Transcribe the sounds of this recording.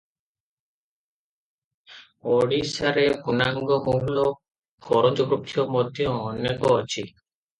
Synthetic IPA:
oɽisaɾebunaŋɡɔmuɡlɔ | kʰɔɾɔnd͡ʒɔɡɾup̚t̪ʰijɔmɔd̪ʱjɔ̃ːnekɔːt͡ʃʰi

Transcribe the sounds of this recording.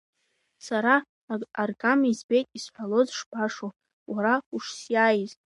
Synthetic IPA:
saɾa | arɡʼamizbe̞jtʼisħʷalozʂbʰaʂo | waɾauʂsjajztʼ

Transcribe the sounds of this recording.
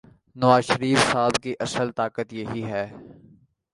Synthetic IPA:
nɐʋaːzʃəɾiːfsaːbkiʔɐsəlt̪aːkət̪jeɦiɦɛː

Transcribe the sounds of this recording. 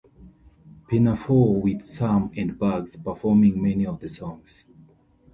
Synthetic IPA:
pʰɛnəfɔwið̥sãmɛ̃ndbaɡspəfɔmĩŋmɛniɔvðəsɔ̃ŋs

